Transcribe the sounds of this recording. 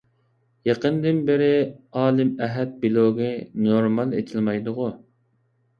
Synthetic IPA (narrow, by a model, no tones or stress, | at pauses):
jɑqənd̪ɪnbɪɾɪɑːlˠɪmɛɦɛt̪̚bilˠoɡɨnoɾmɑlˠḛt̪ʰɪlmɑjd̪ʊʁʊ